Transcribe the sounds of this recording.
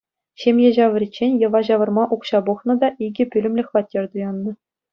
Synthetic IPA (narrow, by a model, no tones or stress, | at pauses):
ɕemʲjeʑɑʋə̆rʲit͡ɕːenʲjɤ̆ʋɑʑɑʋɤ̆rmɑʔukɕɑbuχnɤ̆d̪ɑʔiɡʲɘ̆pʲylʲɘ̆mʲlʲɘ̆xʲʋɑtʲːerʲd̪ujɑnːɤ̆